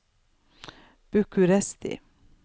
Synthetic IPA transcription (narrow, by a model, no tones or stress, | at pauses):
b̥ʉkʰʉɾɛst̪ɪ̰